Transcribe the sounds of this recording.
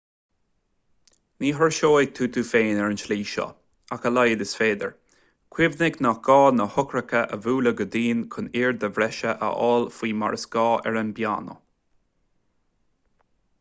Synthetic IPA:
niːɦəɹʃoːɪt̪ʰuːt̪ʰuːfeːnɛɹənʃliːʃɔ̰ | akəlajəd̪ɪsfeːd̪ə̰ɹ | kʰwɪvnɪknaɡ̥ɑːnəhʊkɾəkəʔəvuːləɡəd̪iːnkʰʊniːɹd̪əvɾɛʃəʔə̰ʔɔːlfiːma̰ɹəsɡ̥ɑːʔɛ̰ɹənbja̰ːnə̰

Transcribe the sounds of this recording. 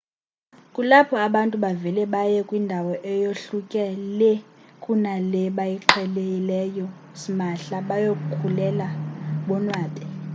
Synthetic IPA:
kʼulapʰɔaɓantʼuɓavɛlɛɓajɛkʼwindʱawɔʔɛjoɬukʼɛlɛkʼunalɛɓajiǃʰɛlejilɛjɔ | simaɬaɓajokʼukʰulɛlaɓɔnwaːtʰʼɛ

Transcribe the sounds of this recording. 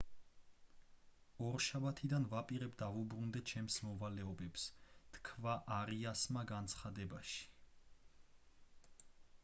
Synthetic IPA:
ɔɾʃabat̪ʰid̪anvapʼiɾɛbd̪avubɾund̪ɛt͡ʃʰɛmsmɔvalɛɔbɛpst̪ʰkʰvaʔaɾiasmaɡant̪sʰχad̪ɛbaʃi̥

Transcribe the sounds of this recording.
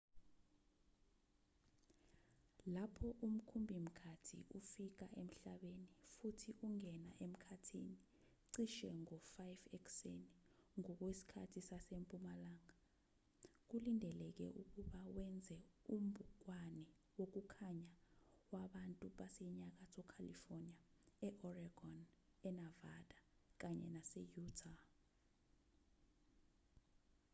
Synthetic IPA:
lapʰɔʔum̩kʰumbʱim̩kʰatʰḭʔufik̬aʔem̩ɬaɓenifutʰiʔuŋɛna̰ʔem̩kʰatʰḭni | ǀiʃɛŋɔfajvɛksḛniŋɔk̬wesi̥kʰa̰tʰisasempʼumalaːŋa | k̬ulindʱɛlɛk̬ɛ̰ʔuk̬ʼuɓawɛnd͡zʱɛum̩bʱuk̬ʼwanɛ | wok̬ukʰaɲawaɓantʼuɓasɛɲak̬asʰɔkʰalḭfɔniaɛʔɔraɡ̥ɔnɛnavadʼak̬aɲɛ̰nasɛjutʰa

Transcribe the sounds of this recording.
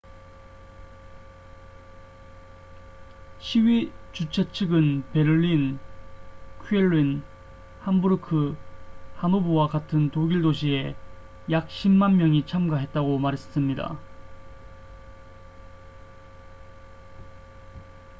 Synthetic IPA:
ɕʰiɥit͡ɕut͡ɕʰet͡ɕʰɯɡɯnpe̞ɾɯɭːin | kʰɥeɭːin | hambuɾɯkʰɯ | hanubuwakatʰɯntoɡiɭdoɕ̬ʰie̞ | jak̚ɕ͈ʰimmanmjʌŋit͡ɕʰamɡaɦe̞t̚t͈aɡomaɾe̞ss͈ɯmɲida̰

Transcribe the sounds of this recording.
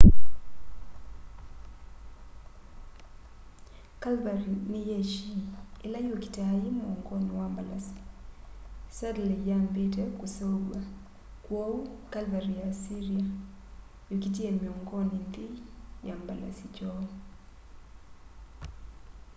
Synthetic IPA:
kalbaɾinɪjeʃiɪlajoki̥taajɪmɔŋɡɔnɪwambalasi̥ | sadlɛjambetekusoɡwa | kwoukalvaɾijasiɾia | jokitiemiɔŋɡɔnind̪ɪjambala̰sit͡ʃɔ

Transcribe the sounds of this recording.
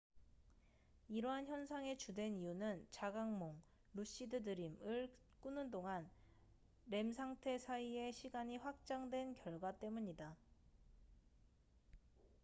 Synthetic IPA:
iɾʌɦançjʌnsʰaŋe̞t͡ɕudwe̞nijunɯnt͡ɕaɡaŋmoŋ | ɾuɕ͈idɯdɯɾimɯɭ | k͈unɯndoŋan | ɾe̞msʰaŋtʰe̞sʰaie̞ɕʰiɡaɲiɸwak̚t͡ɕ͈aŋdwe̞nkjʌɭɡwat͈e̞muɲida

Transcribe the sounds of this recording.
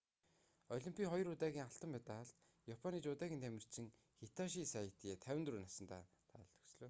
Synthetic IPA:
ɔɮimpʲʰiːχɔjɞ̆rʊt̪aːɣʲiːŋaɬt̪ə̆mpæt̪aːɮt̪ | japʰɔniːt͡ɕʊt̪æːɣʲiːnt̪ʰæmʲɪ̆r̥t͡ɕʰɪ̆ŋ | xet̪ʰɔʃiːsaj̆ʰt̪iːt̪ʰæwʲɪ̆nt̪ruːnasə̆nt̪a̰ː | t̪ʰa̰ːɮt̪ɵ̥̆ksɮɵː

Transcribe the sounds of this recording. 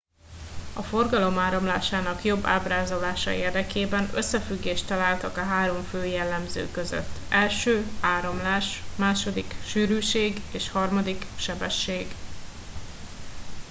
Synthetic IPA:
ɒfo̞rɡɒlo̞maːɾo̞mlaːʃaːnɒkjo̞bːa̰ːbraːzo̞laːʃɒ̰eːrd̪ɛkeːbɛnøsːɛfyɡːeːʃt̪ɒlaːlt̪ɒkɒɦaːɾo̞ɱføːjɛlːɛmzø̰ːkøzø̰t̪ːɛlʃøːaːɾo̞mlaːʃmaːʃo̞d̪ikʃyːɾyːʃeːɡeːʃhɒrmɒd̪ikʃɛbɛʃːeːɡ

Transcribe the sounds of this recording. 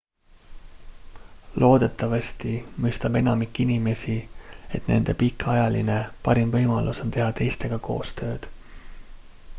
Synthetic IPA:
lo̞ːd̪e̞t̪ːˑɑvɑst̪imyjst̪ɑb̥e̞nɑmikːˑinime̞sie̞t̪ne̞̰nd̪̥e̞pikːˑɑjɑlḭne̞pɑɾimvɤjmɑlʔuso̞nt̪e̞ɦɑt̪e̞jst̪e̞ɡ̥ɑko̞̰ːst̪ø̞ːd̪̥

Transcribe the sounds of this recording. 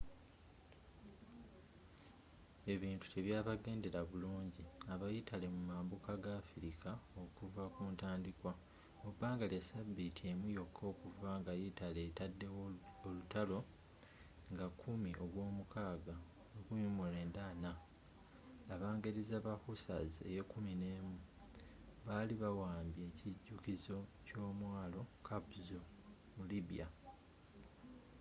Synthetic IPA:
e̞βiːntu̥te̞βjaːβaɡe̞ːnde̞ɾaβuluːɲɟiaβajitʰale̞mumaːmbukaɡaːfiɾikʰao̞kuvakuːntaːndikwa | obaːŋɡaljasabːitʰiemujo̞kʰːo̞ːkuvaŋɡajitale̞tadːeolutalo̞ | ŋɡakʰumiʔo̞ɡwo̞ːmukʰaːɡa | nokuɲumule̞ːndana | βaːŋɡeɾizaβahusa̰zie̞̰jekumine̞ːmu | βaːliβawaːmbje̞ːciɟːukizo̞co̞ːmwaːlo̞kʰabuzo | muliβija̰

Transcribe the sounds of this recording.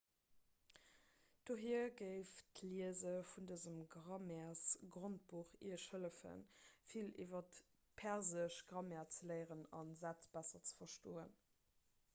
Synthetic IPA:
d̥oːɦiəɡəɪftliəzəfundəzəmɡʁɑmɛæsɡʁont̚b̥uχḭɐʃhələfə̰nfilʔḭvɐt | pʰæʁzəʃɡʁɑmɛːɐt͡səlɜɪʁənɑnzæt͡sb̥æsɐt͡sə̥fɐʃtoːən

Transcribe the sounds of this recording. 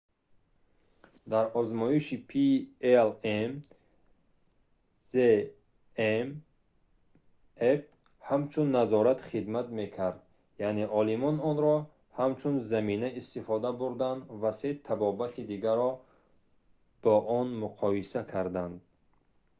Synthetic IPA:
d̪aɾɔzmɔiʃipʰielem | ze | em | ef | hamt͡ʃʰunːazɔɾat̪χid̪mat̪me̞kʰaɾd̪ | jaʔneʔɔlimɔnɔnɾɔ | hamt͡ʃʰunzaminaist̪ifɔd̪abuɾd̪and̪vase̞t̪ʰabɔbat̪ʰid̪iɡaɾɔ | b̥ɔʔɔnmuqʰɔisakʰaɾd̪and̪

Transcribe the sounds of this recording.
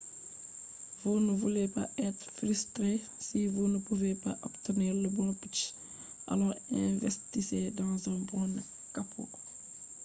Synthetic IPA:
vunəvulepa̰ɛt̪ɾfɾystɾe | sivunəpuvepaʔɔptəniːɾləbɔput͡ʃ | ʔɐ̰lɔːɾɛ̃vɛstisedɑ̃ːzə̃bɔ̃ːnɐ | kːapʰɔ̰k

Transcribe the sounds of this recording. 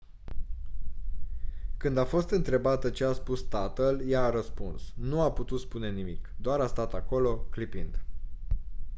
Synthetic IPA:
kɨnd̪afo̞st̪ɨnt̪ɾe̞bat̪ət͡ʃe̞aspust̪at̪əljaːɾəspunsnuaput̪ut̪spune̞nimikd̪oaɾast̪at̪ako̞lo̞klipind̪

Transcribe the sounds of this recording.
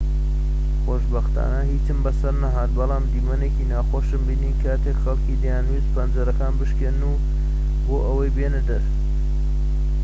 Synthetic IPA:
xoːʃbɐxt̪a̰nɐɦiːt͡sɨmbɐsɐɾnɐɦaːt̪̚bɐlˠɑːmd̪iːmɐneːkiːnaːxoːʃɨmbiːniːkʰat̪ʰekxɐlˠkiːd̪ɐjaːnwizpʰɐnd͡zɐɾɐkaːnbɨʃkennuː | boːʔɐwɐjbenɨd̪ɐɾ

